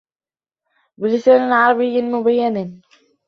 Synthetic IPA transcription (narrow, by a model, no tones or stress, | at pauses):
bɪlɪsaːnanʕɑɾˤɑbɪjːmʊbajːann